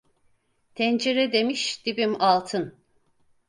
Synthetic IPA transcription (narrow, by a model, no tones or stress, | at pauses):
t̪ʰɛnd͡ʒiɾɛd̪emiʃd̪̥ibimalˠt̪ʰɯn